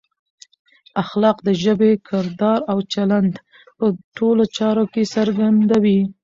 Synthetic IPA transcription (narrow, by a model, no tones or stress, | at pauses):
axlɑqd̪əʒəbekʰɪɾd̪ɑɾawt͡ʃaland̪ | pəʈolot͡ʃɑɾokesəɾɡand̪awi